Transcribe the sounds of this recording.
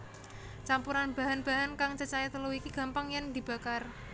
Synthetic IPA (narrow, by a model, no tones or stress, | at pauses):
t͡ʃampuɾanb̥a̤ɦanb̥a̤ɦankaŋt͡ʃət͡ʃait̪əluwikiɡ̥ä̤mpaŋjand̪̥i̤b̥a̤kar